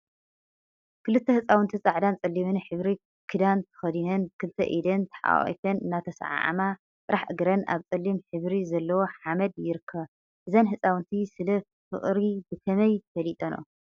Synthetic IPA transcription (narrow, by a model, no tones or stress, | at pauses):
kʰɨlɨt̪ʰːɐhɨt͡sʼawɨnt̪ʰit͡sʼaʕd̪ant͡sʼɐlːimɨnħɨβɾi | kʰɨd̪ant̪ʰɨ̥xɐd̪inɐnkʰɨlt̪ʰːɐ̰ʔid̪ɐnt̪ʰɨ̥ħa̰ʔʼḭt̪ʰɐnɨnːat̪ʰɐsʕa̰ʕa̰ma | t͡s̪ʼɨɾaħʔɨɡɾɐna̰βt͡sʼɐlːimħɨβɾizɐlːɐwo̞ħamɐd̪jɪɾɨkʰːɐβ | ʔɨzɐnħɨt͡sʼawɨnt̪ʰisɨlɐ | fɨ̰χʼɾibɨkʰɐmɐjt̪fɐlit̪ʼɐno̰